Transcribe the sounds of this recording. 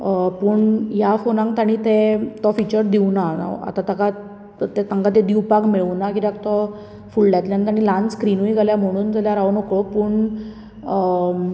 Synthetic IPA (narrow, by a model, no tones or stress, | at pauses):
puːɳjafonãŋɡt̪aɽ̃it̪ẽt̪ɔfit͡ɕəɾd̪iuna̰a̰t̪at̪aka | t̪et̪aŋɡat̪̬ẽd̪iwpaɡmeɭunakit̪ak̚t̪ɔ | fuɭɖjat̪ljant̪aɽ̃ilãnskɾinuiɡʱaljam̤əɽ̃uːnd͡zəljaɾaʋnɔkɭopuːɳ